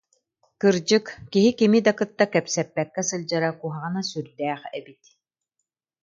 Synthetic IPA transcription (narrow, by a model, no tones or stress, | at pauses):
kɯɾd͡ʑɯkkiɦikimid̪akɯt̪ːakɛpsɛpːɛkːɛsɯlʲˠd͡ʑaɾakuɦaʁɯnasyɾd̪ɛːχɛbit̪